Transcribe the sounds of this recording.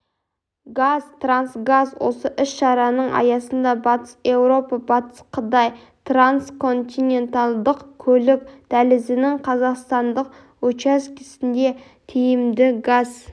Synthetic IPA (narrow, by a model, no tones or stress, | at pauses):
ɡazt̪ransɡazwo̞̰səʔʏsʃɑɾɑnəɴʔɑ̰jɑsənd̪ɑbɑt̪ə̥se̞wɾo̞pɑbɑt̪ə̥sqʰət̪ɑj | t̪ranskʰo̞nt̪ʲine̞nt̪ɑlˠd̪əqkʲʰɵlɪk̚ʲd̪̥ælɪzɪnɪŋqʰɑzɑqst̪ɑnd̪əq | wɵt͡ʃæskʲʰɪsɪnd̪e̞ | t̪ʰejɪmd̪ɪɡaz̥